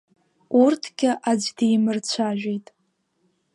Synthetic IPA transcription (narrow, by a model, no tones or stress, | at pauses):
urtʰɡ̥ʲɪʔad͡ʒdejmɨrt͡ɕʷʰaʒᶣʷejtʼ